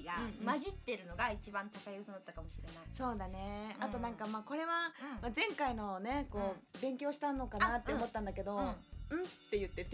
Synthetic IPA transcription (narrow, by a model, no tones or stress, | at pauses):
ɡamaʑit̪ːe̞ɾɯ̟no̞ɡait͡ɕibãnt̪akajɯɯsod̪at̪ːakamoɕiɾe̞naiso̞ːd̪ane̞at̪o̞nãŋkamaːko̞ɾe̞βamazẽ̞ŋkaino̞ne̞ko̞ːbẽ̞ŋkʲo̞ːɕi̥t̪ãnːo̞kanat̪ːeomo̞t̪ːãnd̪ake̞d̪o̞ɯ̟̃t̪ːe̞jɯ̟t̪ːe̞t̪